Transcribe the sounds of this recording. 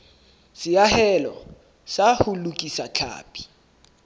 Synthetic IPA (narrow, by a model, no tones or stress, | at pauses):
sɪjahɛlɔ̰ | sahʊlukʼisat͡ɬʰa̰ːpʼi̥